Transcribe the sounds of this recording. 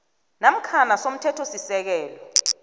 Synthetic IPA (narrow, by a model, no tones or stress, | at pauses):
nam̩kʰanasom̩tʰɛtʰosisɛk̬ɛːlɔ